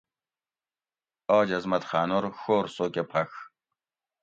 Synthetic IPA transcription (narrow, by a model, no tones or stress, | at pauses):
aːd͡ʑɐzmɐt̪xaːnoɾxoːɾsoːkepʰɐx